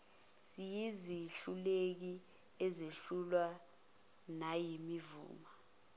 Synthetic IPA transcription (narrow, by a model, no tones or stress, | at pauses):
sijiziɬulek̬i | ɛzeɬulwa | najimivṵːma